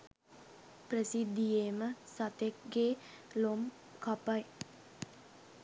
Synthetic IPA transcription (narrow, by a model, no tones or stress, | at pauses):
prəsid̪ːijeməsat̪ek̚ɡeː | lom | kapaj